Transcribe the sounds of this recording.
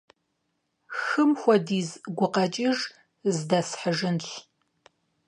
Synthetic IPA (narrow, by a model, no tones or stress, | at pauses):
xɨmxʷɔdiːzɡʷʊqɐt͡ʃʼɪʐ | zdɐsħəʒɨnɬ